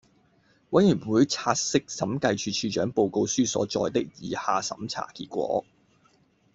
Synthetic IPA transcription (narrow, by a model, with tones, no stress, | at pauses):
wɐ˨˥jyː˨˩nwuː˨˧jt͡sʰaː˧t̚sɪ˥k̚sɐ˨˥mkɐ˧jt͡ʃʰyː˧t͡ʃʰyː˧t͡ʃœː˨˥ŋpo˧wko˧wsyː˥sɔ̰ː˨˥t͡ʃɔ̰ː˧jt̪ɪ˥k̚jiː˨˧haː˨sɐ̰˨˥mt͡sʰa̰ː˨˩kiː˧t̚kʷɔ̰ː˨˥